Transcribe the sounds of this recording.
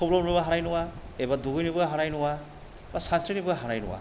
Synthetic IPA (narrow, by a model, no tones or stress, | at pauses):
kʰɔblɔnubaɦanajnuwaebaduɡɯjnibɯɡaɦanajnuwa | basansɾinibɯɡaɦanajnṵwa̰